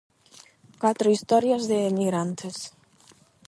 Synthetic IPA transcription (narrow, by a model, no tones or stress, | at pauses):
kwat̪ɾoist̪ɔɾjazðeːmiɣɾant̪ʰes